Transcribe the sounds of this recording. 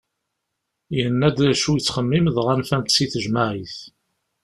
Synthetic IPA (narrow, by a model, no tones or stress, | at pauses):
jənːæd̪ɾæʃujət͡sːχəmːimðʁænfænt̪siθəʒmaʕiθ